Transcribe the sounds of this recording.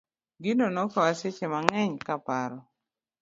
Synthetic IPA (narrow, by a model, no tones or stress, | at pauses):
ɡɪnonɔkaaset͡ʃemaŋɛɲkapaɾɔ